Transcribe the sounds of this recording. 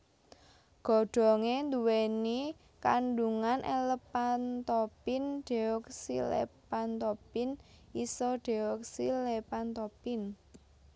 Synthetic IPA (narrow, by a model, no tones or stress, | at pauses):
ɡ̥ɔ̤ɖ̥ɔ̤ŋend̪uweni | kaɳɖuŋanʔeləpant̪opɪnɖ̪̥e̤ɔksilḛpant̪ɔpɪnisɔɖ̥e̤ɔk̚silepant̪ɔpɪn